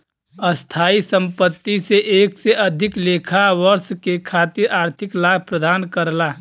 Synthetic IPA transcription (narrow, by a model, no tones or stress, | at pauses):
əst̪ʰaːisə̃mpət̪ːiseʔeːkseʔəd̪ʱɪkleːkʰaʋəɾʃkekʰat̪iɾaːɾt̪ʰɪklaːɡ̚ʱpɾəd̪aːnkəɾla